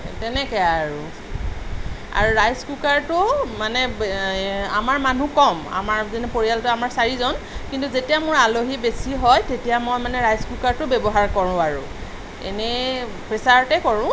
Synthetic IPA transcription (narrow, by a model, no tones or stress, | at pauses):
tɛnɛkɛaɹu | a̰ɹuɹajskukaɹtʊmanɛ | amaɹmanũkɔma̰maɹzenɛpoɹijaltʊamaɹsaɹizɔnkintuzetijamʊɹaloɦibesiɦɔjtetijamojmanɛɹajskukaɹtʊbɛbɔɦaɹkɔɹʊ̃aɹʊ̰ | ḛnɛ | pɹesaɹtɛkɔɹʊ̃